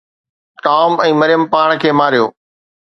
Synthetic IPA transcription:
ʈaːmɛ̃ːmɐɾɪjəmpaːɽ̃kʰeːmaːɾijoː

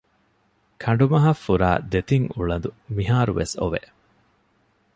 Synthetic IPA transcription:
kʰɐɳ̆ɖumɐɦɐfːuɾa̰ːd̪et̪iŋuɭɐnd̪umiɦaːɾuʋesoʋḛ

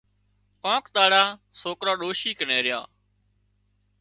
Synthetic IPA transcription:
kõːkɗ̪aːɽaːsoːkɾãːɗoːʃiːkəneːɾɪjã̰ː

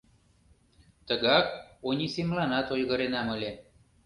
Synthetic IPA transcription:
t̪ə̆ɣɑk̚onʲisemlɑnɑt̪ojɣə̆ɾenɑmə̆lʲe

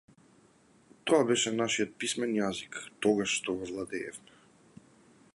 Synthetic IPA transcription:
t̪ɔabɛʃɛnaʃijɔt̪̚pismɛnjazikt̪ɔɡaʃʃt̪ɔvɔvlˠad̪ɛɛ̰fmɛ

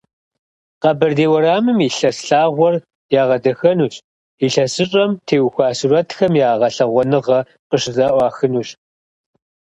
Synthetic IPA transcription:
qɐbɐrdeːwɐɾaːmɨmiɬɐsɬaːʁʷɔr | jaːʁɐdɐxɐnuːɕ | iɬɐsɨɕʼɐmtʰeːwxʷaːsurɐtxɐmjaːʁɐɬɐʁʷɔnɨʁɐ | qəʂzaːʔʷɑːxɨnuːɕ

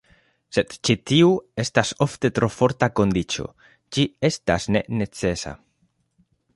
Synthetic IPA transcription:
se̞d̪t͡ʃitiue̞staso̞fte̞t̪ɾo̞fo̞ɾtako̞nd̪it͡ʃo̞̰ | d͡ʒie̞stasne̞̰ne̞t͡se̞sa̰

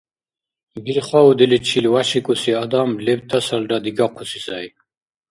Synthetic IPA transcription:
biɾχaud̪ilit͡ʃʰilwaʃikʼusiad̪amlɛbt̪ʰasaldad̪iɡaqʰusisaj

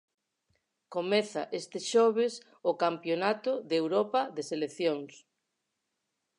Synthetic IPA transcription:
komɛθa̰ʔest̪ɪʃɔβ̞es | okampjonat̪ʊðewɾɔpɐðeseleθjoŋs

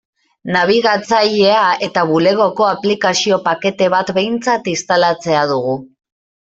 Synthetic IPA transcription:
naβ̞iɣat͡saʎe̞ae̞t̪aβule̞ɣo̞ko̞aplikasio̞pake̞t̪e̞β̞at̪be̞jnt͡sat̪ist̪alat͡se̞aðuɣ̞u

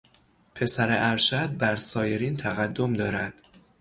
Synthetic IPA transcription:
pʰe̞sæɾeʔæɾʃæd̪̚bæɾsɒːje̞ɾiːnt̪ʰæɣæd̪ːo̞md̪ɒːɾæd̪̥

